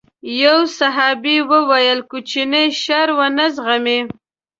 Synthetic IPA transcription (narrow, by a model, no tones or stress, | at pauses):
jawsaɦɑbiwəwajəlkut͡ʃineʃaɾwanazɣami